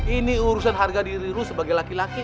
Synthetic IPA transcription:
iniuɾusanɦarɡadiɾiɾusəbaɡajlakilaki

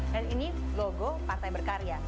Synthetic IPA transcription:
danini | loɡopat̪ajbərkaɾia

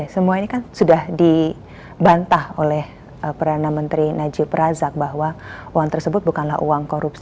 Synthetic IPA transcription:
səmuainikansudahdi | bant̪aholɛh | əpərdanamənt̪ɾinad͡ʒɪpɾazak̚baɦwauaŋt̪ərsəbʊt̪̚bukanlahṵaŋkoɾups

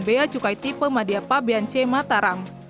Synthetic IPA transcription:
beat͡ʃukajt̪ipəmadiapabeant͡ʃɛmat̪aɾam

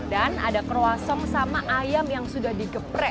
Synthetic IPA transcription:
dana̰dakəɾoasɔmsamaʔajamjaŋsudahdiɡəpɾɛ

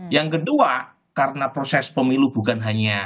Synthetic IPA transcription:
jaŋkədua | kaɾənapɾosɛspəmilub̥ṳkanɦaɲa

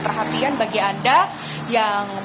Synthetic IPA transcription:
pərɦat̪ianbaɡianda | jaŋ

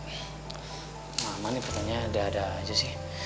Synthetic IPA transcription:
amanipərt̪aɲadiaːdad͡ʒasɪh

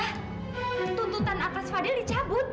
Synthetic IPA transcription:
h | nt̪unt̪ut̪anat̪asfadɪldit͡ʃabʊt̪̚

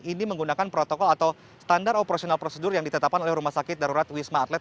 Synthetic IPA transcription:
iniməŋɡunakanpɾot̪okɔlat̪aw | st̪andaɾopəɾasionalpɾosədʊrjaŋdit̪ət̪ap̚kanolɛhɾumasakɪt̪̚daɾuɾat̪wismaːt̪lɛt̪̚

